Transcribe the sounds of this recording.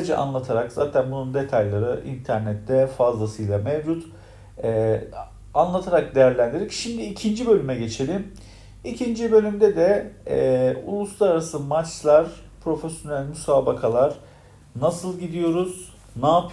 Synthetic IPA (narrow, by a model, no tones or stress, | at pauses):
ed͡ʒɛ̰ʔa̰nlˠat̪ʰaɾakz̥aːt̪ʰænbunund̪e̞t̪ʰajlˠaɾɯʔḭnt̪ʰæɾnɛt̪ʰːɛfazlˠasɯjlˠamevd͡ʒut̪ | ɛ | anlˠat̪ʰaɾak̚d̪ejæɾlʲænd̪iɾicʃimd̪iːcʰind͡ʒibø̞lʲymɛɟe̞t͡ʃʰe̞lʲim | icʰind͡ʒibø̞lʲymd̪ɛd̪ɛ | ṵlˠuslˠaɾaɾasɯmat͡ʃlˠaɾ̥pʰɾo̞fesjo̞nælʲmysaːbakʰalˠaɾ̥ | nasɯlˠɟid̪ijo̞ɾuz̥ | naːpʰ